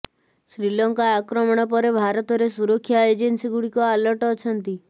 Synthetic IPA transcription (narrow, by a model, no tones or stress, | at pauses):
sɾilɔŋkaːkɾɔmɔɽ̃ɔp̬ɔɾebʱaɾɔt̪ɔɾesuɾɔkʰːjaed͡ʒensiɡuɽikɔalɔɾʈɔːt͡ʃʰɔnt̪i